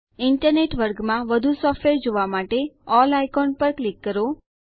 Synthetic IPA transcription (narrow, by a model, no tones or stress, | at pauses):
ɪɳʈəɾneʈʋəɾɡmãʋəd̪ʱusɔfʈʋeɾd͡ʒoʋamaʈeɔlajkɔnpəɾklikːəɾo